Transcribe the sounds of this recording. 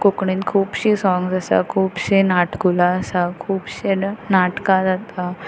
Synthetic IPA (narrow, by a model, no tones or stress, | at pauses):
kokɳiːnkʰuːbɕiːsɔ̃ŋɡsasa̰kʰuːbɕenaʈkulaːsakʰuːbɕenaʈkad͡zat̪a